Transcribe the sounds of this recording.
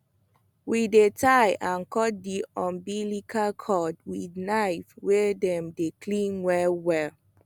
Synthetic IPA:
widetʰajʔãnkɔt̚diɔ̃nbilikʰakʰɔdwidnajfwɛdɛ̃mdekʰlĩnwɛlwɛl

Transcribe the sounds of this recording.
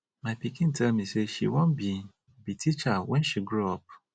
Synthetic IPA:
maɪpikʰɪ̃ntʰɛlmĩseʃḭwɔ̃nbi | bitʰit͡ʃawɛ̃nʃiɡɹuɔp̚

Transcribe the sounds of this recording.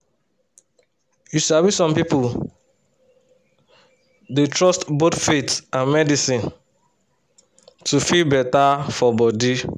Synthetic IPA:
jusabisɔ̃mpipul | detɹɔstbotfetãnmɛdisĩn | tufilbɛtafɔbɔdi

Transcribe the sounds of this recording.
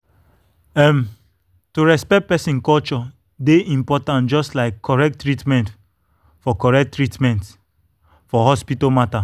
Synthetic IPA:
ɛm | tuɹɛspɛk̚t̚pɛsĩnkɔlt͡ʃɔ | deʔĩmpɔtãntd͡ʒɔstlaɪkʰːɔɹɛk̚tːɹitmɛ̃nt | fɔkɔɹɛk̚tːɹitmɛ̃nt | fɔɦɔspitɔmata

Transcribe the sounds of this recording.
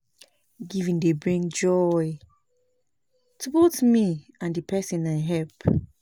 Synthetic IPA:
ɡivĩndebɹĩŋd͡ʒɔj | tʰubotmi | ãndipʰɛsĩnaɪɦɛlp

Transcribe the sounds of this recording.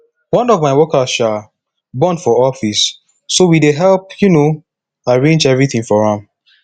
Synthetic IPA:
wɔ̃nɔvmaɪwɔkasʃa | bɔ̃nfɔɔfisː | owideɦɛlp̚juno | aɹẽnd͡ʒɛvɹiθĩŋfɔɹãm

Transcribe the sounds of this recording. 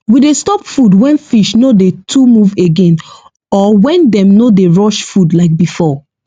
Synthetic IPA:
widestɔpfudwɛ̃nfiʃnodetʰumuveɡẽn | ɔwɛ̃ndɛ̃mnodeɹɔʃfudlaɪk̚bifɔ

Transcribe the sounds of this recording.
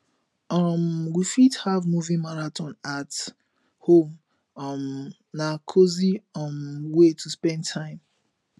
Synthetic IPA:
ʌmwifithavmuvĩmaɹatʰɔ̃nat | hõm | ʌm | nakʰoziɔmwetʰuspɛ̃ntʰãɪ̃m

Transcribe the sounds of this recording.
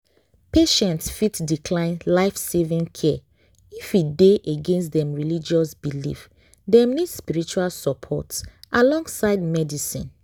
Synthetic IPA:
peʃɛ̃ntsfitdikʰlãɪ̃nlaɪfsevĩŋkʰɛ | ifideʔeɡẽnstdɛ̃mɹilid͡ʒɔsbilḭf | dɛ̃mnidspiɹit͡ʃualsɔpʰɔ̰tsʔalɔ̃ŋɡsaɪdmɛdisḭ̃n

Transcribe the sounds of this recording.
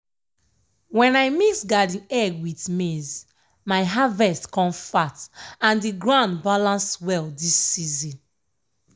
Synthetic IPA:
wɛ̃najmisɡadĩnɛɡwitmez | maɪɦavɛstkɔ̃mfatãndiɡɹãnbalãnswɛldisːizĩn

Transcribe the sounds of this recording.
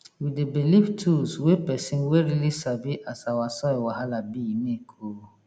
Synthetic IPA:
widebiliftʰuswepɛsĩnweɾilisaviʔasawasɔiwaɦalabiinẽkʰo

